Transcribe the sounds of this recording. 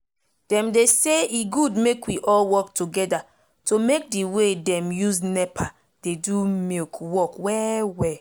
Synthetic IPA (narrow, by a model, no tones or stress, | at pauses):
d̥ɛ̃mdeseiɡudmekwiʔɔlwɔktuɡɛda | tomek̚diwedɛ̃mjuznɛpʰa | d̥edumekwɔkwɛwɛ